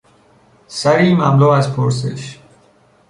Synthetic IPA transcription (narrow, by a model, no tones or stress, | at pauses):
sæɾiːmæmlɔːæzpʰoɾs̬ḛʃ